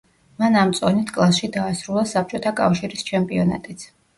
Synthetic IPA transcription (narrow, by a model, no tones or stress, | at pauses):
manamt̪sʼɔnit̪ʰkʼlˠasʃid̪aːsɾulˠasap̚ʰt͡ʃʼɔt̪ʰakʼafʃiɾist͡ʃʰɛmpʼiɔna̰t̪ʼit̪sʰ